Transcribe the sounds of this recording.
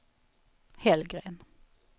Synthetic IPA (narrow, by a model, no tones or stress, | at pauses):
hɛlɡʁeːn